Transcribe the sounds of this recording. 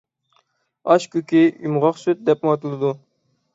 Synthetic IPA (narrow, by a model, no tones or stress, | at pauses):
ɑʃkʲykʲijumʁɑqsøt̪̚d̪ɛp̚ɑt̪ɨlˠɨd̪u